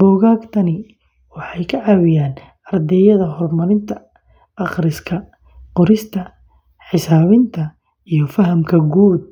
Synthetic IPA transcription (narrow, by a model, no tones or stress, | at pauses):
bɔːɣaːɡt̪ʰɐnɪ | wɑħɑjkʰɐʕɑːwɪjaːn | ʔɐrd̪ɛːjɐðɐɦɔrmɐɾɪnt̪ʰɐ | ʔɑχɾɪskʰɐ | qɔɾɪst̪ʰɐ | ħɪsaːβɪnt̪ʰɐ | ijɞfɐɦɐmkʰɐɡuːd̪̚